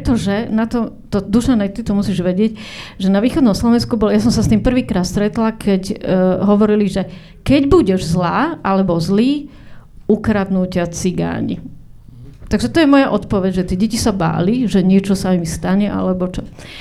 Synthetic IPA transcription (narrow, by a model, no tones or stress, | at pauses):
pɾɛt̪ɔʒɛnat̪ɔt̪ɔd̪uʃanɛjt̪it̪ɔmusiːʒʋɛɟɪɛcʒɛnaʋiːxɔd̪nɔmslɔʋɛnskubɔljasɔmsast̪iːmpr̩ʋiːkɾaːt̪st̪ɾɛt̪lakʰɛcɦɔʋɔɾiliʒɛ | kɛɟbuɟɛʒzlaːʔalɛbɔzliː | ukɾad̪nucɪat͡siɡa̰ːɲḭ | t̪aɡʒɛt̪ɔjɛmɔjaʔɔt̪pɔʋɛɟʒɛt̪ɪɛɟɛcisaba̰ːliʒɛɲɪɛt͡ʃɔsaimist̪aɲɛʔa̰lɛbɔt͡ʃɔ